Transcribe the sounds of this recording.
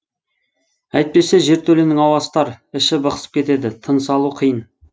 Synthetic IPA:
æjt̪̚pe̞se̞ʒe̞ɾt̪ʰɵlenɪŋɑwɑst̪ɑɾɪʃɪbəqəsə̥p̚kʲe̞t̪e̞d̪ɪt̪ʰənsɑlˠuqʰijən

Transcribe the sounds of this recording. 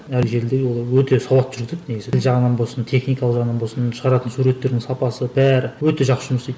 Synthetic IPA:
ælʒe̞ɾld̪eɡʲwo̞lˠɑwɵt̪e̞sɑwɑt̪ːʒ̥ʏɾɡʲɪzed̪nekezeɪlʒɑʁənɑnbo̞sənt̪ʰe̞χnijkɑlˠəqʒɑʁənɑnbo̞lˠsənʃəʁɑɾɑt̪ənsuɾe̞t̪ːe̞ɾd̪ɪŋsɑpɑsəbæɾɪwɵt̪e̞ʒɑqsəʒʊməset̪

